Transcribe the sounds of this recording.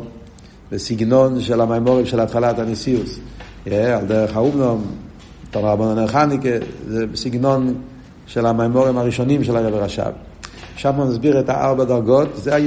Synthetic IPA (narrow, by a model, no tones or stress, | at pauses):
bəsɪɡnɔnʃɛlˠamamɔʁɪmʃɪlˠatχalatanɛsiʊs | jɛalˠdɛʁəχaubnɔm | tɔnʁabɔnɔnɛχanɪkəzebsɪɡnɔn | ʃɪlˠamamɔʁɪmaʁiʃɔnimʃɛlˠaʁɛbəʁaʃa̰v | ʃafmamazbiʁəta̰ʔa̰lbadaʁɡɔtzea